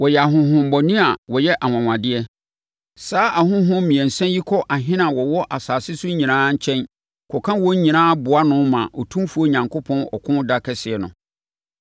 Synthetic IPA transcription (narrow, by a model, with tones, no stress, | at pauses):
wɔ˨jɛ˨a˨ɦʊ̃˨ɦʊ̃˨m˦bɔ˨nĩ˦a˨wɔ˨jɛ˦ʔa˨ŋã˨ŋã˨dɪ˦ɛ˦ | saː˦ʔa˨hʊ̃˦ɦʊ̃˦mĩ˨ɛ̃˨n̩˨sɛ̃˦nji˦kʰɔ˦ʔa˨ɦɪ̃˦nã˨wɔ˨wɔ˦ʔa˨saː˨sɪ˦sʊ˦ɲĩ˨nãː˦ɲ̩˦˨t͡ɕʰɛ̃˦n | kʰɔ˨kʰã˦wɔ̃˦ɲ˦ɲĩ˨nãː˦bʊ˨a˦nʊ̃˦mã̰˨ʔɔ˨tʰũ˦fu˨˦o˦ɲã˨ŋkʰʊ˦pʰɔ̃˦nɔ̰˨kʰʊ̃˦n˦da˦kʰɛ˦sɪ˨ɛ˨nʊ̰̃˨